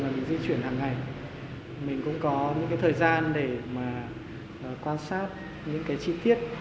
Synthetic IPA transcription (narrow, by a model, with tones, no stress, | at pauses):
maː˨˩mï˨˩ŋ̟zi˧t͡ɕwi˧˩ənhaː˨˩ŋːa˨˩j | mï˨˩ŋ̟kʊ̰˧˥ŋ͡mkɔ˨˦ɲɨ̰˧˥ŋkaː˨˦jt̪ʰəː˨˩jzaː˧nɗe˧˩maː˨˩ | ʔːkwaː˧nsaː˦˥t̚ | ɲɨ̰˧˥ŋkaː˨˦jt͡ɕi˧t̪i˦˥ət̚